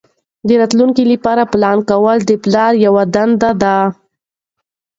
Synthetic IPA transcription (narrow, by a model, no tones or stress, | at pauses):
d̪əɾɑt̪luŋkilipɑɾaplɑnkawəld̪əplɑɾjawad̪and̪ad̪a